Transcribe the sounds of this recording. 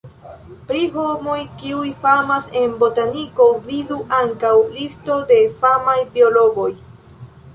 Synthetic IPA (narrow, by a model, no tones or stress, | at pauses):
pɾiɦo̞mo̞jkiujfamase̞nbo̞taniko̞viduʔaŋkawlisto̞de̞famajbio̞lo̞ɡo̞j